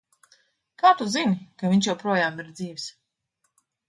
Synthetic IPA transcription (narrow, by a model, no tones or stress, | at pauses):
kaːt̪uzinkaviɲt͡ʃjɛwpɾuɔjaːmiɾd̪ziːvs